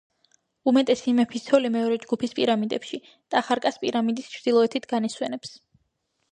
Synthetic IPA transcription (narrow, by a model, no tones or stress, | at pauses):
umɛt̪ʼɛsimɛpʰisʰɔlimɛɔɾɛd͡ʒɡupʰispʼiɾamid̪ɛ̰pʃi | d̪̥aːχaɾkʼaspʼiɾamid̪ist͡ʃʰɾd̪̥ilˠɔɛt̪ʰit̪ʰɡaniswɛnɛps